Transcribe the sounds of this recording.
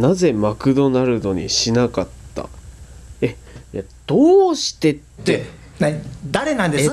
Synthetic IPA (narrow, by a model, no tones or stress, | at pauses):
naze̞makɯ̟d̪o̞naɾɯ̟no̞ɲ̟ḭɕinakat̪ːa̰ | e | jad̪̥oːɕi̥t̪e̞tːe | nad̪aɾenãnd̪es